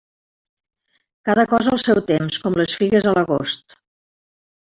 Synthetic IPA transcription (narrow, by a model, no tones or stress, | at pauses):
kaðəkɔzəlˠsɛwt̪emskɔmləsfiɣəzələɣost̪